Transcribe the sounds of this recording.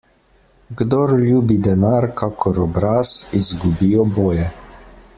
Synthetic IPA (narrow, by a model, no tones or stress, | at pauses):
ɡd̪ɔɾlʲjuːbid̪ɛnaːɾkʰakʰɔɾɔbɾaːsizɡubiːjɔboːjɛ